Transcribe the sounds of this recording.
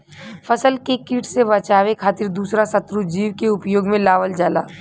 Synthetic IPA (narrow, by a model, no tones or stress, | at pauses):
fʰɐsəlkekiːʈsebɐt͡ʃaːʋekʰaːt̪ɪɾd̪uːsɾasɐt̪ɾud͡ʒiːʋkeʊpjoːɡmẽlaːʋəld͡ʒaːla̰ː